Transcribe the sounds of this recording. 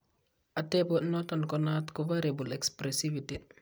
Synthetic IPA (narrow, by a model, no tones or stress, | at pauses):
ʔatɛbonɔtɔnkɔnatkɔvaɾebulɛkspɾesiviti